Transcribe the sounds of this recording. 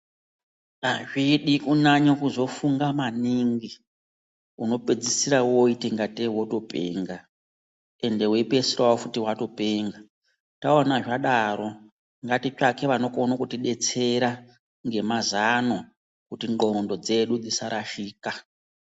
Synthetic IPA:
naʐiɗikunaɲokuzo̞fuŋɡamaniŋɡi | uno̞ped͡zisiɾawoiteŋɡateɦwo̞to̞pe̞̰ːŋɡa | e̞nde̞wepesirawofutiwato̞peŋɡa | taonaʐaɗaɾo̞ | ŋɡatit͡ʃake̞ʋano̞konokutiɗe̞t͡seɾa | ŋɡe̞mazano | kutiŋɡo̞ndo̞d͡ze̞ɗud͡zisaɾʔaʃiːka

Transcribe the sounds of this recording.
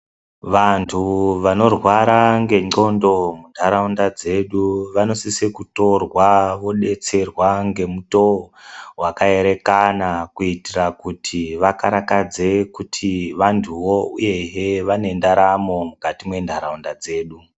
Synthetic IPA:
ʋantʰuʋano̞rwaɾaŋɡe̞ŋ͡ǀondo̞mundʱaɾaundad͡ze̞ɗuʋano̞sisekuto̞rwaʋo̞ɗe̞t͡se̞rwaŋɡe̞muto̞wakae̞ɾe̞kanakuitirakutʰiʋakaɾakad͡ze̞kutʰiʋantʰuʋouje̞jeʋane̞ndaɾamo̞mukatimwe̞ndʱaɾaundad͡ze̞ːɗu

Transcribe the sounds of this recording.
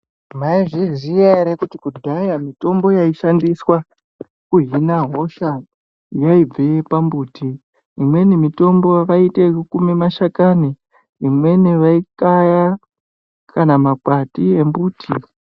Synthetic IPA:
maiʐiʐieɾekutikudʱajamito̞mbo̞jaiʃandiswa | kuɦinaɦo̞ʃa | jaib͡veepambuːtʰiː | mwe̞nimito̞mbo̞ʋaite̞kukumemaʃakani | imwe̞niʋaikaja | kanamakwatie̞mbuːtʰi

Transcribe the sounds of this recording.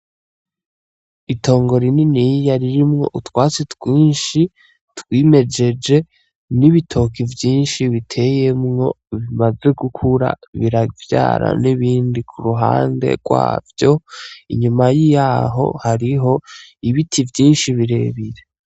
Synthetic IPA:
itʰo̞ːŋɡo̞ɾininijjaɾiɾimŋo̞ʔutwaːt͡setwiːnʃi | twiːme̞d͡ʒe̞d͡ʒe̞ | niβitʰo̞ːkivjiːnʃiβitʰe̞je̞mŋo̞ | βimaze̞ɡukʰuɾa̰βiɾavja̰ːɾa̰niβiːndikʰuɾuɦa̰ːnde̞̰ɡ̥wa̰ːvjo̞ḭɲumajijaːɦo̞̰haɾiɦo̞iβitʰivjiːnʃiβiɾe̞βiɾe̞

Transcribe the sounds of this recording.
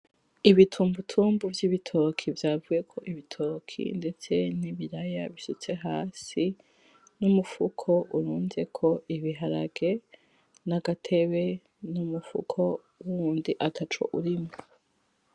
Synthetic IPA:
iβitʰuːmbutʰuːmbuvjiβitʰo̞kʰivjaːvuje̞kʰo̞ʔiβitʰo̞kʰḭnde̞t͡se̞niβiɾajaβisut͡se̞ɦaːsi | numufukʰo̞ʔuɾuːnze̞kʰo̞iβiɦaɾa̰ɡe̞ | naɡatʰe̞βe̞ | numufṵkʰo̞ | wuɾuːndiʔatʰat͡ʃo̰ʔuɾimo

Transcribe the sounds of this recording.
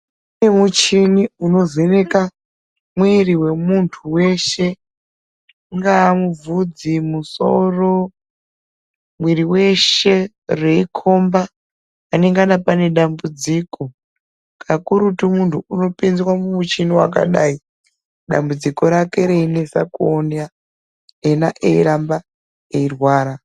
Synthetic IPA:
nemut͡ʃiniuno̞zeneka | mwiriwe̞muntʰuwe̞ʃe̞ | ŋɡaːmub͡vud͡zimuso̰ro̞ | mwiriwe̞ʃe̞ | reikʰo̞mbaː | ne̞ŋɡanapane̞ɗambud͡ziko̞ | kʰakuɾutimuntʰuuno̞pend͡zwamumut͡ʃiniwak̬a̰ɗai | ɗa̰mbud͡ziko̞ɾake̞ɾeinesakuonja | enaʔeiɾamba | eirwaːɾa

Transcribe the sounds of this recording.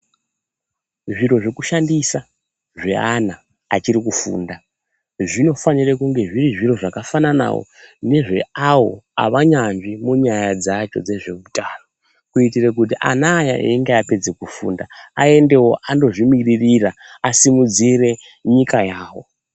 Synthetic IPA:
ʐiro̞ʐe̞kuʃandisa | ʐe̞̰anaː | t͡ʃiɾikufṵːnda | ʐino̞fanirekuŋɡe̞ʐiriʐiro̞ʐakafanana̰wo̰ne̞ʐe̞̰awo̞̰a̰ʋaɲanʐimuɲajad͡zat͡ʃo̞d͡ze̞ʐe̞mutaːro | kuitirek̬utiʔa̰naːjaʔḛiŋɡeape̞d͡zekufṵːndaae̞nde̞wo̞ʔando̞ʐimiririraasimud͡zire̞ | ɲikajaːwo̞̰

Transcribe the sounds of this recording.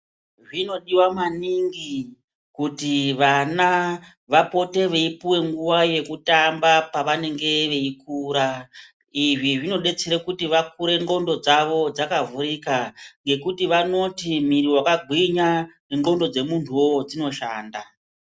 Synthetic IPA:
ʐino̞ɗiwamaniŋɡi | kutiʋana | ʋapo̞te̞ʋeipuwe̞ŋɡuʋaje̞kutambapaʋane̞ŋɡe̞ʋe̞ikuːɾa | iʐiʐino̞ɗe̞t͡seɾekutiʋak̚uɾe̞ŋɡo̞ndo̞d͡zaʋo̞d͡zakavuɾikaŋɡe̞kutiʋano̞timiriwakaɡʱwiɲa | ŋɡo̞ndo̞d͡ze̞muntʰuod͡zino̞ʃaːnda

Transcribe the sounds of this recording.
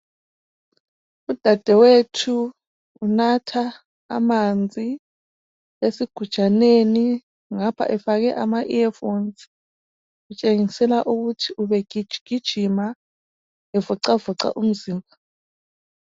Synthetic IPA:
ud̥ʱad̥ʱɛwetʰuː | natʰa̰ː | mand͡zʱi | esiɡ̥ʱud̥ʒ̥ʱaneni | ŋapʰa̰ʔɛfaɣɛʔamaʔiɛfont͡sʼi̥ | ɣut͡ʃʼeŋisɛlaʔuɣutʰiuβɛɡ̥ʱi̥ʒ̥ɡ̥ʱid̥ʒ̥ʱima | ɛvuǀavuǀa̰ʔum̩ziːmbʱa

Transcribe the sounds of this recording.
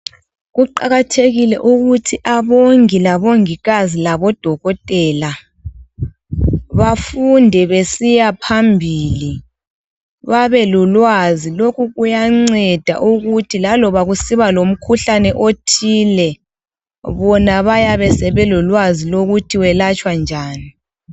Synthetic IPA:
ɣuǃa̰ɣatʰeɣilɛʔuɣutʰiʔaβoŋilaβoŋiɣazilaβɔd̥ʱɔɣɔtʼɛːla | βafundʱɛβesijapʰambʱiːli | βaβɛlulwazilokʰuɣujaŋ͡ǀɛd̥ʱa̰ʔuɣutʰilalɔβaɣusiβalom̩kʰuɬanɛʔotʰiːlɛ | βɔnaβajaβɛsɛβɛlulwaziloɣutʰiwɛlat͡ʃʼwand͡ʒʱaːni

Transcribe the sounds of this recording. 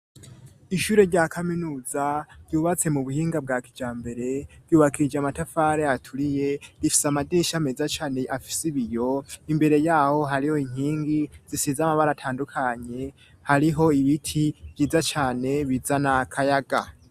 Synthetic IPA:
iʃuːɾe̞ɾɟakʰaminuːzaɾ̥ɟuːβat͡se̞muβuhiːŋɡab̚ɡakid͡ʒaːmbe̞ɾe̞ɾ̥uːβakiid͡ʒeamatafaːɾeatʰuɾije̞ɾifi̥samadeːʃamezat͡ʃaːne̞ʔafi̥siβijo̞imbe̞ɾe̞jaːho̞ɦaɾiho̞iŋ̥hiːŋɡiz̥isizamaβaɾatʰaːndukʰaɲe̞ | haɾiɦo̞iβitʰiβ̥jiːzat͡ʃaːne̞βizanakʰajaɡa̰

